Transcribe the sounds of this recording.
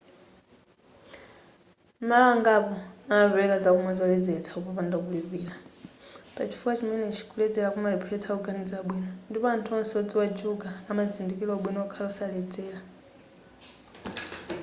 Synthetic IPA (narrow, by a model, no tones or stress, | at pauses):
malawaŋɡapɔanaɾɛwɛkad͡zakumazɔlɛd͡zɛt͡sʰḁupɔpandakuliβiːla | pat͡ʃʰi̥fuat͡ʃimɛnɛt͡ʃʰi̥kʰulɛd͡zɛlakumaɾɛpʰɛt͡sʰauɡanid͡zaaɓwiːnɔndipɔantʰuɔn̩sɔd͡ziwad͡ʒuɡaːmazindikilɔaɓwinɔɔkʰalausalɛd͡zɛːla